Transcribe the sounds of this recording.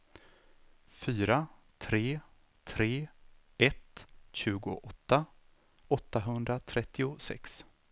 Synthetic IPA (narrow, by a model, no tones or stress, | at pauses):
fyːɾa | t̪ʰɾeː | t̪ʰɾeː | ɛt̪ɕʉ̟ːɡʊ̰ʔɔt̪ːa | ɔt̪ːaɦɵnd̪ɾat̪ʰɾɛt̪ʰːɪʊsɛ̰ks